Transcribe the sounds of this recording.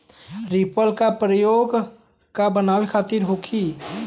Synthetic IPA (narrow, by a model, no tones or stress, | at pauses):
ɾipəlkapɾəjoɡ | kabənawekʰat̪iɾɦokʰi